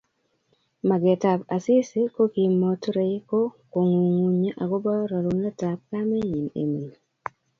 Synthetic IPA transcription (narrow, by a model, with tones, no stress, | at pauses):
ma˨ɡe˨ta˨pa˨sɪ˦si˦ko˦ki˨mo˦tɾe˨˦ko˦ko˨ŋu˨ŋu˦ɲa˦ʔa˨ɡo˦bɔ˦ɾɔ˨lu˦nla˦ta˨p̚ka˦mɛ˦ɲi˨nḛ˨mi˨